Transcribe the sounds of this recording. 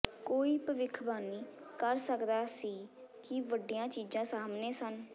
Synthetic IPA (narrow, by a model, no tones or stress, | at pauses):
koːiːpəʋɪkʰbaːniː | kəɾsəkd̪aːsiː | kɪʋəɖijãːt͡ʃiːd͡ʒãːsaːmneːsən